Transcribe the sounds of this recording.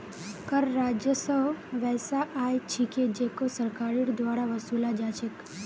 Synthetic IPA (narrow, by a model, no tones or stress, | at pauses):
kəɾːad͡ʒjəsəʋʋɛjsaʔajt͡ʃʰiked͡ʒekosəɾkaɾiɽd̪ʋaɽaʋəsulad͡ʒat͡ʃʰek